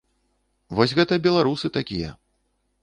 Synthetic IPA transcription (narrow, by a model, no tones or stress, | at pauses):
vɔsʲɣɛt̪ɐbʲɛlˠaɾusɨt̪akʲijɐ̰